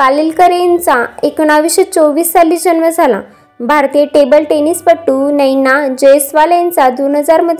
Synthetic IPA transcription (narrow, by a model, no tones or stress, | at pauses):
kalilkəɾent͡saekɽ̃aʋiɕet͡soʋiːst͡salːiːsd͡ʑənʋəd͡zʱala̰ | bʱaɾt̪ijeʈebəlʈeniːspəʈːunəjnad͡ʑəjsʋalẽnt͡sad̪onɦəd͡zaɾməd̪ʱ